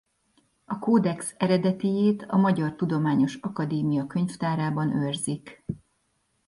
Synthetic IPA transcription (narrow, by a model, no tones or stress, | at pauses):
ɒkoːd̪ɛksɛɾɛd̪ɛt̪ijeːt̪ɒmɒɟɒrt̪ud̪o̞maːɲo̞ʃɒkɒd̪eːmijɒkø̞ɲft̪aːɾaːbɒnørzik